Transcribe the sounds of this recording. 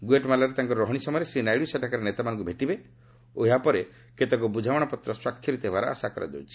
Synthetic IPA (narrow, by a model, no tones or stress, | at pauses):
ɡueʈmalaɾet̪aŋkɔɾɔɾɔɦɔɽ̃isɔmɔjɾesɾinajɽiuseʈʰakaɾenet̪amanɔ̃ŋkubʱeʈibe | ojapɔɾe | ket̪ɔkubud͡ʒʱawɔɽ̃ɔpɔt̪ɾɔswakʰːjɔɾit̪ebaɾɔ̰a̰sakɔɾa̰d͡ʒo̰wt͡ʃʰi̥